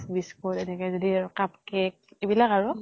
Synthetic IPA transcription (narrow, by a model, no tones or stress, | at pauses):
biskotɛnɛkɛzodikap̚kɛk̚ebilakaɹu